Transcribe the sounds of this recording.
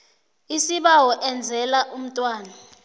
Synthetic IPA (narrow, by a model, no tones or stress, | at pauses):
isiɓawɔʔɛnd͡zʱɛlaʔum̩tʼwaːna